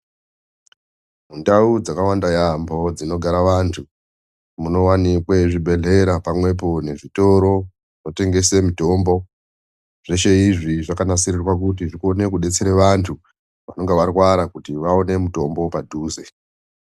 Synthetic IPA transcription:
mundaud͡zakawandajambo̞d͡zino̞ɡʱaɾaʋantʰu | muno̞wanikwe̞ʐibʱe̞ɮe̞ɾapamwe̞p̬o̞ne̞ʐito̞ɾo̞ | no̞te̞ŋɡesemito̞mbo̞ | ʐ̥e̞ʃe̞iʐiʐakanasirirwak̬ut̬iʐikone̞kuɗe̞t͡seɾeʋantʰu | ʋano̞ŋɡeʋarwaɾakutiʋao̞ne̞muto̞mbo̞padʱuːze̞

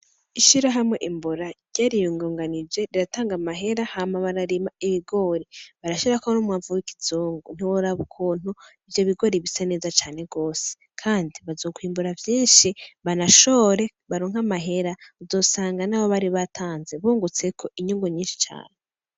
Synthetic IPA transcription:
iʃiɾaɦamŋe̞ʔimbuɾaɾɟ̥aːɾijuːŋɡoːŋɡanid͡ʒe̞ɾiɾataːŋɡamaɦe̞ɾahamaβaɾaɾimaiβiɡo̞ːɾiβaɾaʃoɾakuβanumŋaːvuwiki̥zuːŋɡun̥iwoɾaβukʰuːn̥uivjoβiɡo̞ɾiβisane̞ːzat͡ʃaːne̞ɡo̞ːse̥ | kʰaːndiβazo̞ːkwiːmbuɾavjiːnʃiβanaʃo̞ɾe̞ | βaɾoːŋhamaɦe̞ɾauzo̞ːsaːŋɡanaːβoβaɾiβatʰaːnzeβuːŋɡut͡se̞kʰo̞ʔiɲuːŋɡoɲiːnʃi̥t͡ʃa̰ːne

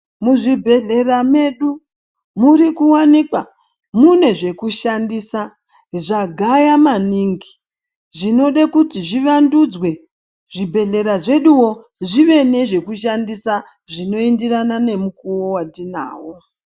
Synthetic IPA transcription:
muʐibʱe̞ɮe̞rame̞ɗu | muɾikuwanikwa | mune̞ʐe̞kuʃandisa | ʐaɡʱajamaniːŋɡi | ʐino̞ɗakutiʐiʋandud͡zwe̞ | ʐibʱe̞ɮe̞ɾaʐe̞ɗuwo̞ | ʐiʋe̞ne̞ʐe̞kuʃ̬andisa | ʐino̞indiranane̞mukuwowadina̰ːwo

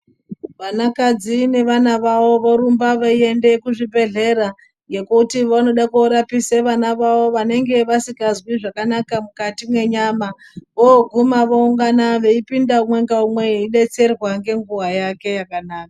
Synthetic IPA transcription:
ʋanakad͡zine̞ʋanaʋawo̞ʋoɾumbaʋaie̞nde̞kuʐibʱe̞ɮe̞ɾa | ŋɡe̞kutiʋano̞ɗakuɾapiseʋanaʋawo̞ʋane̞ŋɡe̞ʋasikazwiʐakanakamukatimwe̞ɲama | ʋoɡʱumaʋouŋɡanaʋe̞ipindaumwe̞ŋɡaumwe̞iɗe̞t͡se̞rwaŋɡe̞ŋɡuwajake̞jakanaːka

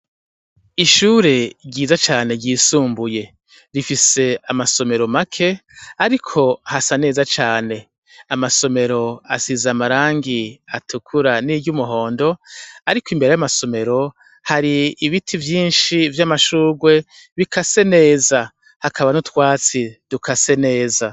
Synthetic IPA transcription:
iʃuːɾe̞ɟiːzat͡ʃaːne̞ɟiːsuːmbuje̞ | ɾifise̞amaso̞me̞ɾo̞makʰe̞aɾikʰo̞hasane̞ːzat͡ʃaːne̞ | amaso̞me̞ɾo̞asizamaɾaːŋɡiatʰukʰuɾaniːɟumuɦo̞ːndo̞aɾikoimbe̞ɾe̞jamaso̞me̞ɾo̞ | haɾiːβitʰivjiːnʃivjamaʃuːɡwe̞ | βikase̞ne̞ːza | hakʰaβanutwaːt͡sid̥ukʰase̞ne̞ːza

